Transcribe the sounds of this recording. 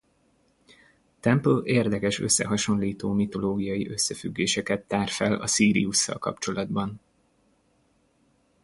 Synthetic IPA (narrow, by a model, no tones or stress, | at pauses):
t̪ɛmpleːrd̪ɛkɛʃø̞̰sːɛ̰ɦɒʃo̞nliːt̪oːmit̪o̞loːɡijɒjiʔø̞sːɛfy̰ɡːeːʃɛkɛt̪ːaːrfɛlɒ̰siːɾḭusːɒ̰lkɒ̰pt͡ʃo̞lɒd̪bɒn